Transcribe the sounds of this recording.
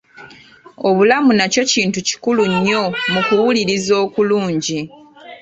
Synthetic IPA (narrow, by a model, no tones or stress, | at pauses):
o̞βulamunaco̞ciːntuci̥kuluɲːo̞mukuwuliɾizo̞ːkuluːɲɟi